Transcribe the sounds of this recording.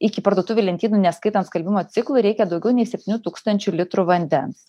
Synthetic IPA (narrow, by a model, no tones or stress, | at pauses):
ɪkʲɪpɐɾd̪uɔt̪ʊʋʲʊlʲɛnt̪ʲiːnunʲɛskɐɪt̪ɐnt̪skɐlʲbʲɪmoːt̪sʲɪklˠʊɾʲɛɪkʲɛd̪ɒʊɡʲɛʊnʲɛɪsʲɛpʲt̪ʲɪnʲuːt̪uːkst̪ɐnʲt͡ʃʲʊlʲɪt̪ɾʊʋɐnʲd̪ʲɛns